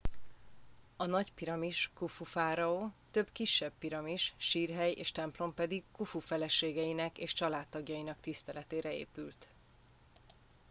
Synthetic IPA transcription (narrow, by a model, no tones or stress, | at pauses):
ɒnɒɟpiɾɒmiʃkufufaːɾɒoːt̪ø̞bkiʃːɛb̚piɾɒmiʃʃiːrɦɛjḛːʃt̪ɛmplo̞mpɛd̪ikkufufɛlɛʃeːɡɛjinɛkḛːʃt͡ʃɒlaːt̪ːɒɡjɒjinɒkt̪ist̪ɛlɛt̪eːɾɛḛːpylt̪